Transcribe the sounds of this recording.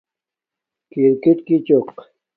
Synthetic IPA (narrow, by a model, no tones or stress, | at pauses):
kɪɾkɪt̪kɪt͡ʃoq